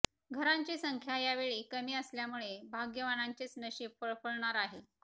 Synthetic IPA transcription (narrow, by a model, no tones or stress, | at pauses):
ɡʱəɾaɲt͡ɕesəŋkʰjajaʋeɭiːkəmiːəsljamuɭebʱaɡjəʋanaɲt͡ɕet͡snəɕiːpəɭpəɭɳaɾaɦe